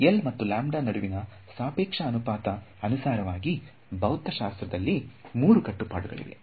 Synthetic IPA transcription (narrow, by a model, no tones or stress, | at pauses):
elmɐt̪ːulaːmɖaːnɐɽuʋinɐ | saːpeːkʂɐːnupaːt̪ɐ | ɐnusaːɾɐʋaːɡi | bʱɐwt̪ːɐʃaːst̪ɾɐd̪ɐlːimuːɾukɐʈːupa̰ːɽuɡɐ̰ɭḭʋḛ